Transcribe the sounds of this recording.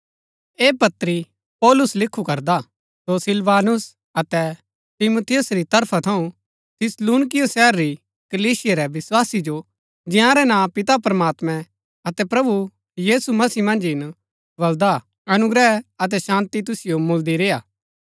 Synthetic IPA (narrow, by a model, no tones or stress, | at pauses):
eːpɐt̪ːɾi | pɔːlʊslɪkʰːukɐɾd̪a | sosɪlʋaːnʊs | ɐt̪ɛ | t̪ɪmut̪ʰɪjʊsɾit̪ɐɾpʰat̪ʰɐũ | t̪ʰɪsluːnɪk̬ɪjosɛːɾːi | kɐliːsɪjaɾɛʋɪswaːsid͡ʒo | d͡ʒɪ̃jãɾɛnãːpɪt̪apɾɐmaːt̪mɛ̃ | ɐt̪ɛpɾɐbu | jiːsumɐsiːmɐ̃nd͡ʒɦɪn | bɐld̪a | ɐnʊɡɾɛɐt̪̬ɛʃãːnt̪it̪ʊsɪjomʊld̪iɾeːaː